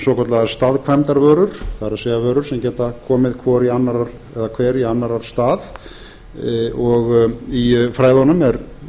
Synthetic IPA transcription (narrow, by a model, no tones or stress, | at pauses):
sɔːkʰɔt̪laɣast̪aːðkʰvɛmt̪aɾvœːɾʏɾ̥θaɾaðsɛːɣavœːɾʏɾ̥sɛmcɛːt̪akʰɔːmɪðkʰvɔɾianːaɾaɾ̥ | ɛðakʰvɛːɾianːaɾaɾ̥st̪aːð | ɔɣifɾaːjðanʏmɛɾ